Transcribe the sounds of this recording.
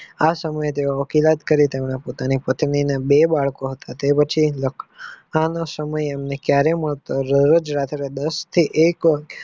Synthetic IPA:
asəməjet̪eoəkilat̪kəɾit̪emnapot̪anipət̪ninabebaɭkoɦət̪at̪epət͡ʃʰiləkʰanosəməjemnekjaɾeməɭt̪oɾəɾəd͡ʒɾat̪ʰɾed̪əst̪ʰiʔekʋa

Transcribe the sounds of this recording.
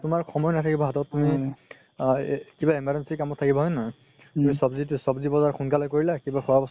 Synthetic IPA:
tʊmaɹxɔmɔjɔnatʰakibaɦatɔtːumi | kibaimaɹɛnsikamɔtʰːakibaɦɔjnɔɔ | tumisɔbzitsɔbzibɔzaɹxʰunkalɔjkoɹilakibaxʰɔabɔs

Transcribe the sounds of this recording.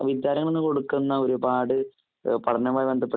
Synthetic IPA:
ʋid̪jaːɾɐŋːɐɭonːɨko̞ɽukːunːɐo̞ɾubaːɽɨ | pɐʈʰɐɲːɐmaːjiʋe̞nd̪ʱɐpːe

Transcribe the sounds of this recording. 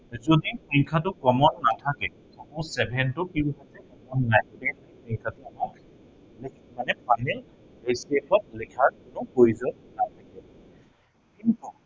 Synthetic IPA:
zodipiŋkʰatʊkɔmɔnːatʰakɛ | tʰakusɛbʱɛntʊkibɦatɛkɔmɔnːajudiaipʰiŋkʰatʊɦɔ | lkmanɛpʰajnɛl | ejsepʰɔt̚likʰaɹkʊnʊpoizɔnnatʰakɛ | kintu

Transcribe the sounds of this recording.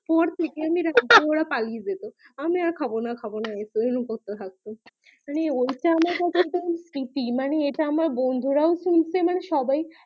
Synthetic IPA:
pɔɾt̪ʰekeamiɾad̪booɽapalied͡ʑet̪o | amiaɾkʰabonakʰabonaesoenukot̪ːot̪ʰak̚t̪o | maneojʈaamaɾkat͡ɕʰeʈasɾiʈimaneeʈaamaɾbond̪ʱuɾaoʃult͡ɕʰemaneʃɔbaj

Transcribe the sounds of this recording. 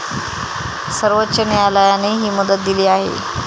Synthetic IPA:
səɾʋətːɕənejalajaneɦiːməd̪ət̪̚d̪iliːaɦḛ

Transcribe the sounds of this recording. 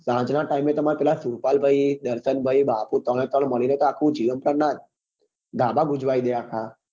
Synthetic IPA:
sãd͡ʒnaʈaimet̪əmaɾepɛlasuɾpalbʱəid̪əɾsənbʱəibaput̪əɽ̃et̪əɽ̃məɭinet̪oakʰũd͡ʒiʋənpɾənat̪̚ | ɡ̪ʱabaɡud͡ʒʋaid̪eakʰa

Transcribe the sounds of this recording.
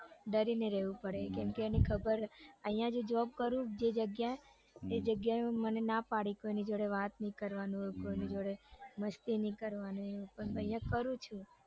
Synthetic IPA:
ɖəɾineɾɛʋũpəɽekɛmkeenikʰəbəɾəĩjãd͡ʒod͡ʒʋab̚kəɾũd͡ʒed͡ʒəɡjae | ed͡ʒəɡjamənenapaɽikoinid͡ʒoɽeʋat̪nĩkəɾʋanũɦojũkoinĩd͡ʒoɽeməst̪inĩkəɾʋanũɦeupəɳə̃ɦijãkəɾũt͡ʃʰũ

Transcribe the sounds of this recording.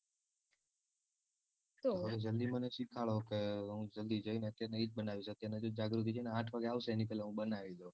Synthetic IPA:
t̪oəʋed͡ʒəld̪iməneʃikʰaɭokeɦũd͡ʒəld̪id͡ʒəineət̪jaɾneiːd͡ʒ̚ɓənaʋis̬et̪jened͡ʒod͡ʒaɡɾut̪ʰit͡ʃeneãʈʰʋaɡeaʋseenipɛːleɦũɓənaʋid̪o

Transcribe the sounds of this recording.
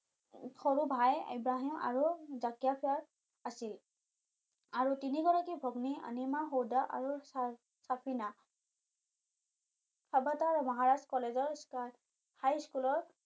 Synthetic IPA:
xɔɹubʱaja̰bɹaɦima̰ɹuzakjapʰiaɹ | asil | aɹutiniɡɔɹakibʱɔɡnia̰nimaɦowdaʔa̰ɹu | sapʰina | kʰabataɹmɔɦaɹaskɔlezɔɹska | hajskulɔɹ

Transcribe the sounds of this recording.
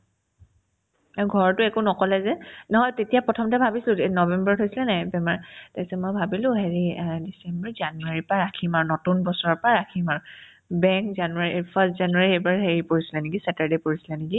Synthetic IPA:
aɡʱɔɹɔtʊɛkunɔkɔlɛzɛnɔɦɔjtetijapɹɔtʰɔmtɛbʱabisilʊenɔbɛmbɔɹɔtʰɦojsilɛnajbɛmaɹtɛksɛmɔjbʱabilʊ̃ɦeɹidisɛmbɔɹzanuaɹipaɹakʰimaɹnotunbɔsɔɹɔpaɹakʰimaɹ | bɛŋkzanuaɹiʔpʰastzanuaɹiejbaɹɦeɹipoɹisi̥lɛniɡisataɹdepoɹisi̥lɛniɡi

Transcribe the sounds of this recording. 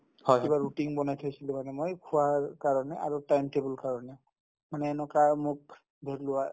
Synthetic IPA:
hɔjibaɹutiŋbɔnajtʰajsilʊ̃manɛmojkʰʊwaɹkaɹɔnɛʔaɹutajmtebulkaɹɔnɛ | manɛːnɔkamʊk̚ | bʱeɹlʊwa

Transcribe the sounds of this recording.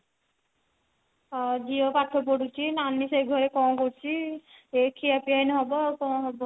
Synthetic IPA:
d͡ʒiopaʈʰop̬ɔɽut͡ʃʰinanːiseɡʱɔɾekɔ̃koɾt͡ʃʰiekʰiapijajnɦɔbɔkɔ̃ɦɔbɔ

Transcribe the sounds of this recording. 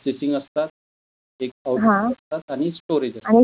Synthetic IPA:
sesiŋɡəst̪at̪̚ | ek̚aɦãst̪at̪aɽ̃isʈoɾed͡ʑəañi

